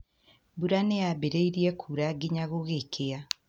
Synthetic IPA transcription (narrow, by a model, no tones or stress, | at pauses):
buɾanejabeɾeiɾiɛkʰuɾaɡiɲaɣoɣekʰea